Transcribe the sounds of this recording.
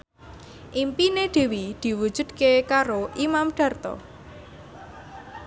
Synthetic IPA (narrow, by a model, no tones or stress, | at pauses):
ʔimpineɖ̪̥e̤wid̪̥i̤wud̥ʒ̥ṳd̪̥̚kekaɾoʔimamɖ̥ä̤rt̪ɔ̰